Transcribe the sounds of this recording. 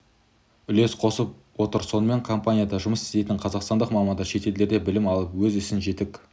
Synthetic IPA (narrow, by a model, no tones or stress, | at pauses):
ʏle̞sqʰo̞səp̚ | wo̞t̪əɾso̞nəme̞ɴkʰompanʲijad̪ɑʒʊməsɪ̥zt̪e̞jt̪ɪɴqʰɑzɑqst̪ɑnd̪əqmɑmɑnd̪ɑʃe̞t̪e̞ld̪e̞ɾd̪e̞bɪlɪmɑlˠəpwɵzʏsɪnʒe̞t̪ɪk